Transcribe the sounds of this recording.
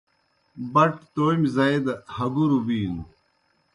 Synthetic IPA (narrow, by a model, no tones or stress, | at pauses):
bɐʈt̪oːjmzɐid̪hɐɡuɾubiːnu